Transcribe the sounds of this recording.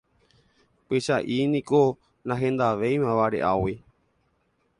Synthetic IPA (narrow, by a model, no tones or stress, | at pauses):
kiʃaʔinĩko | nãɦẽnd̪aʋejmãʋaɾḛʔawi